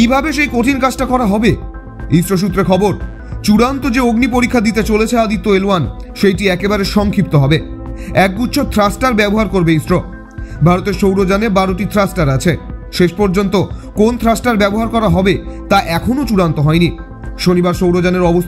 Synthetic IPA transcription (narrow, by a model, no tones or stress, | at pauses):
kibʱabeʃejkoʈʰinkad͡ʑʈakɔɾaɦɔbe | isɾoʃ̬ut̪ːɾekʰɔboɾ | t͡ɕuɽant̪od͡ʑeoɡnip̬oɾikʰːad̪it̪̬et͡ɕolet͡ɕʰead̪it̪ːoeloan | ʃejʈiɛkebaɾeʃɔŋkʰip̚t̪oɦɔbeɛk̚ɡut̪ːʃʰot̪ʰɾasʈaɾbɛboɦaɾkoɾbeisɾo | bʱaɾot̪eɾʃowɾod͡ʑanebaɾoʈit̪ʰɾasʈaɾat͡ɕʰeʃeʃpɔɾd͡ʑont̪okont̪ʰɾasʈaɾbɛboɦaɾkɔɾaɦɔbet̪aʔɛkʰonot͡ɕuɽant̪oɦɔeni | ʃonibaɾʃowɾod͡ʑaneɾɔbos